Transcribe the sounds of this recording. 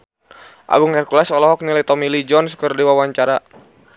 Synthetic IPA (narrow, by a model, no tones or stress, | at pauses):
ʔa̰ɡuŋɛrkulasɔlɔɦɔk̚nilajt̪ɔmilid͡ʒɔnskərdiwawaɲt͡ʃaɾa